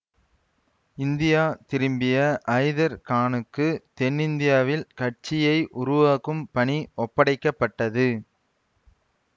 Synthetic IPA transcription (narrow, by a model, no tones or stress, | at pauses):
ɪnd̪ɪjaːt̪ɪɾɯmbɪjɐʔɐɪðɐɾkaːnɯkːɯt̪ɛnːɪnd̪ɪjaːʋɪlkɐʈ̚t͡ʃɪjɐɪʔʊɾʊʋaːkɯmpɐɳiɔpːɐɽɐɪkːɐpːɐʈːɐðɯ